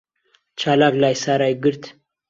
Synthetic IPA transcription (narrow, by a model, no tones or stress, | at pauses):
t͡ʃʰalaɡlajsaɾajɡɨɾt̪ʰ